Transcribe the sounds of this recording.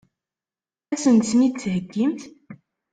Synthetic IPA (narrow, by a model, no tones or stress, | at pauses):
æsənt̪nit͡sːhəɡːimt̪